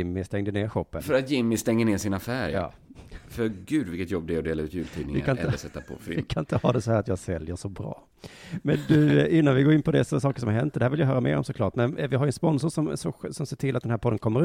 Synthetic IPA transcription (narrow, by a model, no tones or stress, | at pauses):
ɪmːɪst̪ɛŋd̪əneːɾɧɔpːəfœɾat̪jɪmːɪst̪ɛŋːəneːsɪnafæːɾjj̰ɑ̰ː | fœɾɡʉ̟ːd̪vɪlkət̪jɔbːd̪ɛɔd̪eːlaɾʉ̟ːt̪jʉːlʰḭːɪŋvɪkʰanɪnəsɛt̪ːapʰɔ̰fɾ̰ɪkʰanɪnt̪əhɑːd̪ɛsɔhæːɾat̪jɑːɡsɛljəʂɔbɾɑ̰ː | mɛnd̪ʉɪnːanvɪɡoːɾɪnpʰɔd̪ɛsɔsɑːkə̥ʂɔmhaɾhɦɛnt̪̚d̪ɛhæːvɪljaɦœːɾamḛːɾɔ̰msɔklɑːʈmɛnvɪɦaɾjʏəɛnspɔnsʊʂɔmsɔsɔmseːʈʰɪlat̪d̪ɛnɦæɾpʰɔd̪ənkʰɔmːəɾ